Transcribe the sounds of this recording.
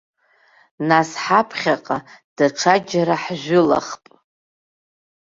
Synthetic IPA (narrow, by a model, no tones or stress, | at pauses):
nasħapʰχʲaqʼad̥aʈ͡ʂʰad͡ʒaɾaħʒᶣʷʊla̰χpʼ